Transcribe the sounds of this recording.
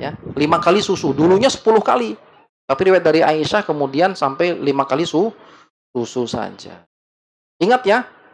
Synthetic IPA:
ja̰limakalisusuduluɲasə̥pulʊhka̰li | t̪apiɾiwajt̪̚daɾiaiʃahkəmudiansampajlimakalisu | sususa̰d͡ʒa̰ | iŋət̪ja

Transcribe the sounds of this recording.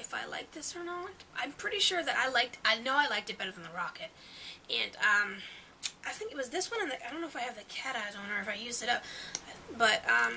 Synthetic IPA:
ɨfa̰ɪla̰ɪk̚ðɪsə˞nətʔãɪ̃mpʰɹ̥ɪɾiʃʊɹðɨɾʔa̰ɪlaɪk̚taɪnoʊaɪlaɪk̚tɨt̚b̥ɛɾə˞ð̃n̩ðəɹɑkɨt̚ | ɨ̃nʌ̃m | ʔaɪθɪ̃ŋkɨt̚wʌzðɪswʌ̃ñɨ̃nðɪaɪdõʊ̃noʊfaɪɨvðɨkʰæɾaɪd̃õʊ̃nə˞ɨfaɪjʉzɨɾʌp̚b̥ʌt̚ʔʌ̃m

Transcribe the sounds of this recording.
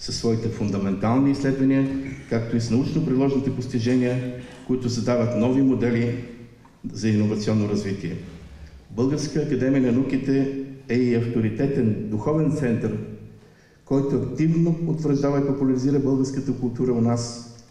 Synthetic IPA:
sɐsːvɔit̪ɛfʊnd̪ɐmɛnt̪alˠniːslɛd̪vɐnʲiəkakt̪oisnɐut͡ʃnopɾidlˠɔʒnit̪ɛpost̪iʒɛniəkʊit̪ʊsɐd̪avət̪nɔvimod̪ɛli | zɐinːovɐt̪siɔnːoɾɐzvit̪iɛ | bɤlˠɡəɾskəːkɐd̪ɛmiənɐnukit̪ɛɛiɐft̪oɾit̪ɛt̪ɛnd̪uxɔvɛnt̪sɛnt̪əɾ | kɔjt̪ʊɐkt̪ivnoot̪vəɾʒd̪avəipopʊlʲɐɾiziɾəbɤlˠɡəɾskət̪əkʊlˠt̪uɾəʊnas

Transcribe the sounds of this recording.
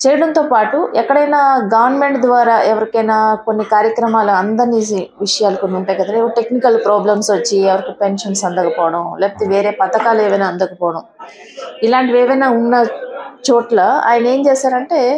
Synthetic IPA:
t͡ʃeːjɐɽɐnt̪oːpaːʈuʔɛkːɐɽɐjnaːɡɐʋɐɾnme̞ɳʈd̪ʋaːɾaːʔɛʋɐɾikɐjnaːkonːikaːɾjɐkɾɐmaːluɐnd̪ɐɾniiʋiʂɐjaːlɐkoniuɳʈaːjɡɐd̪ɐleoʈe̞knikɐlpɾaːblɐmsʋɐt͡ʃːiɛʋɐɾikipenʂɐnsɐnd̪ɐkɐpɔːʋɐɽɐmlɛːpɐt̪eːʋeːɾeːpɐt̪ɐkaːleːʋɐjnaːɐnd̪ɐkɐpɔːɐɽɐm | ilaːɳʈiʋeːʋɐjnaːunːɐt͡ʃoːʈlɐa̰ːjɐnɐe̞ːmt͡ʃɛːsaːɾɐɳʈe̞ː

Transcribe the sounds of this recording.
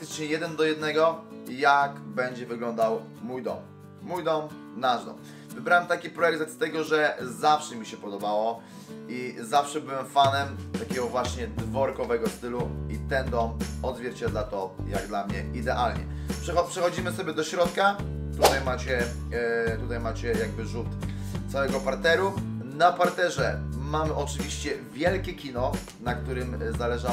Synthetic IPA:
akt̪ɘ̥t͡ʂɲɛjɛd̪ɛnd̪ɔjɛd̪nɛɡɔjakbɛɲd͡ʑɛvɘɡlɔnd̪aw | mujd̪ɔ̰mː | ujd̪ɔm | naʐd̪ɔ̰m | vɘbɾawɛmt̪akʲipɾɔjɛk̚t̪at̪st̪ɛɡɔʐɛzafʂɛmʲiɕɛpɔd̪ɔbawɔ | izafʂɛbɘwɛmfanɛmt̪akʲɛɡɔvwaɕɲɛd̪vɔɾkɔvɛɡɔst̪ɘluit̪ɛnd̪ɔmɔd̪zvʲjɛɾt͡ɕɛd̪lat̪ɔjaɡd̪lamɲɛid̪ɛʔalɲɛ̰pʂɛxɔpʂɛxɔd͡ʑimɘsɔbʲjɛd̪ɔɕɾɔt̪kat̪ut̪ajmat͡ɕɛ | t̪ut̪ajmat͡ɕɛjaɡ̚bɘʐut̪ | t̪sawɛɡɔpaɾt̪ɛɾunapaɾt̪ɛʐɛmamʔɔt͡ʂɘvʲiɕt͡ɕɛvʲjɛlkʲɛkʲinɔ | nakt̪uɾɘmzalɛʐa

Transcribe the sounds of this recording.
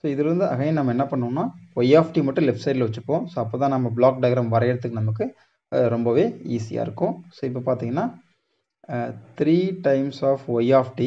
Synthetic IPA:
soːɪðɯɾɯnd̪ɯʔɐ̰ɣɐjẽnɐmːɐɛnːɐpɐɳːõːnːaːʋɐjaːfʈimɐʈːʊ̃lɛpʈsɐɪʈlʋɐt͡ʃːɯpːõːsoːɐpːoːt̪ãːnɐmːɐbɭaːk̚ɖɐɪɣɐɾɐmʋɐɾɐɐɽɐt̪̬ːɯkːɯnɐmːɐk̬ːɯ | ɾɔmbɐʋeːiːsɪja̰ːɪɾɯkːʊ̃soːɪpːopaːɾt̪iːŋɡɐnːaː | t̪ɾiːʈɐɪmsaːfʋɐjaːfʈi

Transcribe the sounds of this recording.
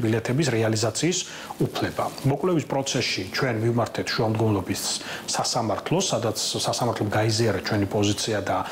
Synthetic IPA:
bilɛt̪ʰɛbisɾɛalizat̪sʰiːs | upʰlɛbamɔkʼwlɛvispʼɾɔt̪sʰɛsʃit͡ʃʰwɛnmivmaɾt̪ʰɛt̪ʰʃuamd̪ɡɔnlˠɔbisːasamaɾt̪ʰlˠɔsad̪at̪sʰsasamaɾt̪ʰlɔmɡaiziaɾɛt̪t͡ʃʰwɛnipʼɔzit̪sʰiad̪a

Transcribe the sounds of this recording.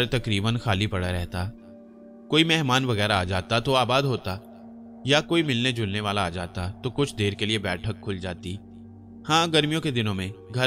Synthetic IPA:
ɾt̪ɐkɾiːbənxaːlipɐɽaɾɛɦt̪a | koːimɛɦmaːnʋɐɣɛːɾaːd͡ʒaːt̪at̪oaːbaːd̪ɦoːt̪a | jakoːimɪlned͡ʒʊlneʋaːlaːd͡ʒa̰ːt̪at̪okʊt͡ʃʰd̪eːɾkeliebɛːʈʰəkʰːʊld͡ʒaːt̪i | hãːɡɐɾmijõked̪ɪnõmẽɡʱɐ

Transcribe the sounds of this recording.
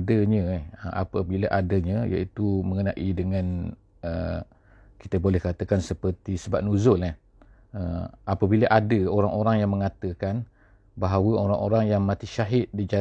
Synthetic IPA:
dəɲə̃həʔa̰pəbilaʔadəɲə̃ja̰ʔit̪uməŋənãʔidəŋãn | ə | ki̥t̪əbolɛhkat̪əkansəpərt̪isəbap̚nuzʊlah | əapəbilaʔadəoɾaŋʔoɾaŋjaŋməŋat̪əkan | baɦawəoɾaŋo̰ɾaŋjaŋmãt̪iʃaɦɪt̪̚did͡ʒa

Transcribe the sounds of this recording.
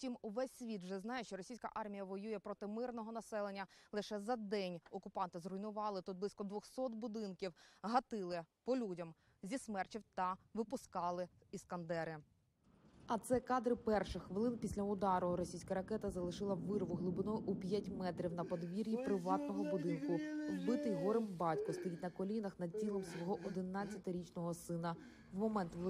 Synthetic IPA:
tʲimuʋɛsʲːʋʲit̪ʒɛznɑjɛʃt͡ʃɔɾɔsʲijsʲkɐ̰ʔɑrmʲijɐʋɔjujɛpɾɔt̪ɪmɪrnɔɦɔnɐsɛlˠenʲːɐlˠɪʃɛzɐd̪ɛnʲɔkʊpɑnt̪ɪzrʊinʊʋɑlˠɪt̪ud̪̚blˠisʲkɔd̪ʋɔxsɔt̪bʊd̪ɪnkʲiwɦɐt̪ɪlˠɪpɔlʲudʲɐm | zʲismɛrt͡ʃʲiwt̪ɐʋɪpʊskɑlˠɪ | iskɐnd̪ɛɾɪ | ɐt̪sɛkɑd̪ɾɪpɛrʃɪxxʋɪlˠɪnpʲisʲlʲɐʊd̪ɑɾʊɾɔsʲijsʲkɐɾɐkɛt̪ɐzɐlˠɪʃɪlˠɐːɪrʋʊɦlˠʊbɪnɔjʔupʲjatʲmɛt̪ɾʲiwnɐpɔd̪ʋʲiɾʲjipɾɪʋɑt̪̚nɔɦɔbʊd̪ɪnkʊbɪt̪ɪjɦɔɾɪmbɑtʲkɔst̪ɔjʲid̪tʲnɐkɔlʲinɐxnɐd̪̚ʲtʲilˠɔmsʋɔɦɔʔɔd̪ɪnɑt͡sʲːɐt̪ɪɾʲit͡ʃnɔɦɔsɪnɐ | wmɔmɛnt̪ʋ

